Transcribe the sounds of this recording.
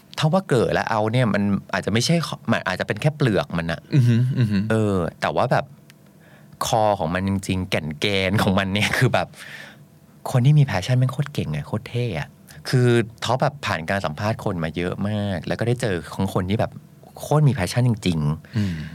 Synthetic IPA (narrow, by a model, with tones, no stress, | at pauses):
t̪ʰa˥˩waː˥˩kɤː˨˩t̪̚lɛ̰˦˥ʔa˧wni˥˩ɐmʔa˧nʔaː˨˩t̪̚t͡ɕa˨˩ma˥˩t͡ɕʰa˥˩jʰma˧nʔa̰ː˨˩t͡ɕa˨˩pe˧nkʰɛː˥˩plɯ˨˩ək̚ma˧nʔa̰˨˩ʔ | ʔɤː˧t̪ɛː˨˩waː˥˩bɛː˨˩p̚ | kʰɔː˧kʰɔ̰ː˩˦ŋma˧nt͡ɕi˧ŋt͡ɕi˧ŋkɛ˨˩nkɛː˧nkʰɔː˩˦ŋma˧nːi˥˩ɐkʰɯː˧bɛː˨˩p̚ | kʰo˧nt̪ʰiː˥˩miː˧pʰɛː˦˥t͡ɕʰa˥˩nma˧nkʰoː˥˩t̪̚ke˨˩ŋːa˨˩kʰoː˥˩t̪ʰeː˥˩ʔa̰˨˩ʔ | kʰɯː˧t̪ʰɔ˦˥bɛː˨˩pʰːaː˨˩nkaː˧nsa˩˦mpʰaː˥˩t̪̚kʰo˧nmaː˧jɤ˦˥ʔmaː˥˩k̚lɛ˦˥wkɔ˥˩a˥˩jt͡ɕɤː˧kʰɔː˩˦ŋkʰo˧nt̪ʰiː˥˩bɛː˨˩p̚ | kʰoː˥˩t̪̚miː˧pʰɛː˦˥t͡ɕʰa˥˩nt͡ɕi˧ŋt͡ɕi˧ŋ